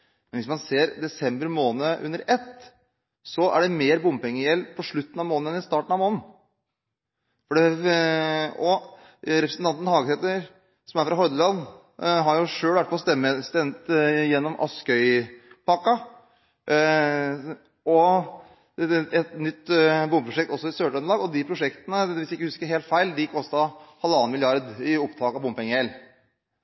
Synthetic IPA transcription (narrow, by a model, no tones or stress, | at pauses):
mɛnʋɪsmɑnseːɾd̪ɛsɛmbəɾmoːnəʔʉ̰nːəɾɛt̪ː | sɔʔæ̰ɖɛmeːɾbʊmpɛŋːəjɛlpʰɔʂɭʉt̪ːnɑmoːnəɛnɪst̪ɑːʈəɳ̩ɑʋmoːnn̩ | fɔɖɛ | ɔ | ɾɛpɾsənt̪ɑnt̪ənhɑːɡəsɛt̪əɾ | sɔmæɾfɾɑɦɔɾd̪əlɑnː | ɦɑɾjʊʂøːlʋæʈ̚pʰɔst̪ɛmːəst̪ɛmt̪jɛnːɔmʔɑ̰skœʏpʰɑkːɑ | ɔ | ɛt̪nʏt̪ːbʊmːpɾʊʂɛk̚t̪ɔsːɔɪsøːʈœnlɑːɡɔd̪ɪpʰɾʊʂɛkt̪ənəʋɪst̪ɪkːəhʉskəɾɦeːlt̪fæɪld̪ɪkʰɔst̪ɑhɑlɑːnmɪlɪɑɾd̪ɪʊpt̪ʰɑːkɑʋbʊmpɛŋːəhɛl